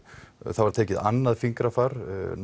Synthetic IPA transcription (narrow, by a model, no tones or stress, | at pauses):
θaðvaɾ̥t̪ʰɛːcɪða̰nːaðfiŋkɾafaɾn